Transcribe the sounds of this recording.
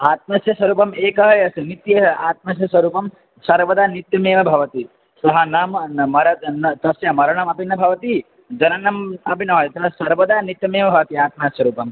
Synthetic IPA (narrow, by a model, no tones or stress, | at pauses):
aːt̪̚mɐsjɐsʋɐɾuːpɐmeːkɐɦɐjɐsɐnit̪jɐɐaːt̪̚mɐsjɐsʋɐɾuːpɐm | sɐɾʋɐd̪aːnit̪jɐmeːʋɐbʱɐʋɐt̪i | sɐɦɐnaːmmɐɾɐnɐt̪ɐsjɐmɐɾɐɳɐmɐpinːɐbʱɐʋɐt̪i | d͡ʒɐnɐnɐmɐbʱinɐːjɐt̪ɐɦsɐɾʋɐd̪aːnit̪jɐmeːʋɐbʱɐʋɐt̪iaːt̪̚masɐɾuːpɐm